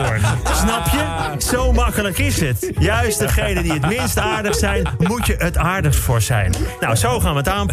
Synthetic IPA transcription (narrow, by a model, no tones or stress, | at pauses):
snɑpjə | sowmɑkələkɪsət | jœɥst̚dəχejdəndiətmɪnstaːɹdəxsɛjnmutjəʔətaːɹdəxstfʊɹsɛ̰jnːawsowχaːnʋəətaːn